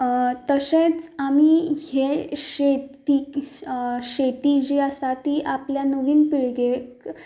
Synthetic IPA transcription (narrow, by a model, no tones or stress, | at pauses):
t̪əset͡samiːheɕet̪i | ɕet̪id͡ʑeəsat̪iːʔapljanuʋiːnpiɭɡe